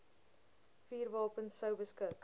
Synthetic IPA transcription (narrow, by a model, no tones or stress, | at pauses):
fiːrvɑːpənsəwbəskək